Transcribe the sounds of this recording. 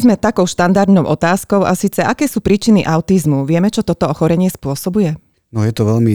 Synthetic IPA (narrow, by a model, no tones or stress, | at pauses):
zmɛt̪akɔʊʃt̪and̪aɾd̪nɔʊʔɔt̪aːskɔʊʔasiːt͡sɛʔakɛːsuːpɾiːt͡ʃiniʔaʊt̪izmuʋɪɛmɛt͡ʃɔt̪ɔt̪ɔɔxɔɾɛɲɪɛspʊɔsɔbujɛ | nɔjɛt̪ɔʋɛlmi